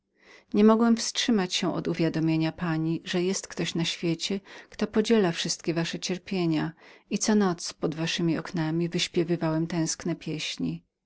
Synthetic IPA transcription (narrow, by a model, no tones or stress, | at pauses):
ɲɛmɔɡwɛmfstʂɘmat͡ɕɕɛ̃ʔɔ̰d̪uvʲjad̪ɔmʲjeɲapaɲiʐɛjɛst̪kt̪ɔɕnaɕfʲjet͡ɕɛkt̪ɔpɔd͡ʑɛlafʂɘst̪̚kʲɛvaʂɛt͡ɕɛɾpʲjeɲait̪sɔnɔt̪spɔd̪vaʂɘmʲiɔknamʲivɘɕpʲjɛvɘvawɛmt̪ɛ̃w̃sknɛpʲjeɕɲḭ